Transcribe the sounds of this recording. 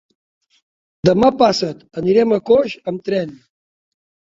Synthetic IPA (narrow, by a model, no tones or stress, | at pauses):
d̪ɐmɐpaːsɐt̪ɐniɾemɐkoɕɐmt̪ɾen